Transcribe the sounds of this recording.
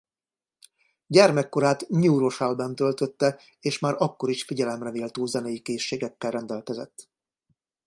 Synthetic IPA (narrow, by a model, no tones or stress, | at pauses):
ɟɛrmɛkːo̞ɾaːt̪ɲuːɾo̞ʃalbɛnt̪ølt̪ø̞t̪ːɛ | eːʃmaːɾɒkːo̞ɾiʃfiɟɛlɛmrɛneːlt̪oːzɛnɛjikeːʃːeːɡɛkːɛlrɛnd̪ɛlkɛzɛ̰t̪ː